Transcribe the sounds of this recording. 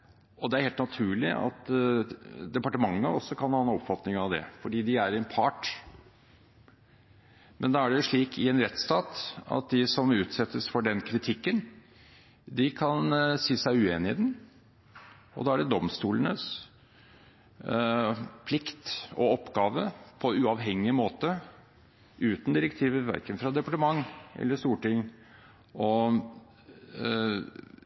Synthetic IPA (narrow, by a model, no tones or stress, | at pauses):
ɔd̪ɛæɾheːlt̪nɑt̪ʰʉːɭɪɑ̰t̪ | d̪ɛpɑʈəmɑŋːəɔsːɔkʰɑnhɑːnɔpfɑt̪nɪŋɑʋd̪ɛ̰fɔɖiːd̪ɪæɾɛnpʰɑʈ | mʔɛnd̪ɑːæɖɛjʊʂɭiːkʰɪɛːnɾɛt̪ːst̪ɑːt̪ɑ̰t̪̚d̪ɪsɔmʉːt̪sɛt̪ːəsfɔɖɛnkʰɾɪt̪ʰɪkːən | d̪ɪkʰɑnsiːsæɪʉeːnɪɛd̪n | ɔ̰d̪ɑːæɖɛd̪ɔmst̪uːlənə̰s | pʰlɪkt̪ɔ̰ɔpːɡɑːʋəpʰɔʉɑʋɦɛŋːɪəmoːt̪ə | ʉːt̪nd̪ɪɾəkt̪ʰiːʋəʋæ̰ɾkənfɾɑd̪ɛpɑʈəmɑŋːʔɛ̰lːəʂt̪uːʈɪŋː | ʔɔ